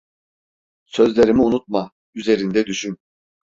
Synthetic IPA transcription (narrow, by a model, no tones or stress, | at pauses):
sø̞zlʲe̞ɾimiunut̪̚ma | yze̞ɾind̪ɛd̪yʃyn